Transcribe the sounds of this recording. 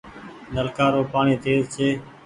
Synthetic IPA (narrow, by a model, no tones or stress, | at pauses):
nəlkaːɾoːpaːɳĩːt̪eːzseː